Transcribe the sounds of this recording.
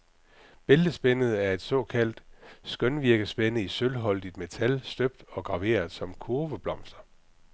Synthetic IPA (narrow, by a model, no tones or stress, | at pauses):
b̥eld̥əsb̥enəð̞̩ˠæɐe̝d̥sɒ̽kʰæl̰d̥sɡ̥œnʋiɐɡ̥əsb̥enəisølɦɒ̽l̰d̥id̥me̝t͡sʰælsd̥øb̥̚d̥ɒ̽ɡ̥ʁɑ̈ʋe̝̰ːɐðˠsɒ̽mkʰuɐʋəb̥lɒ̽m̰sd̥ɐ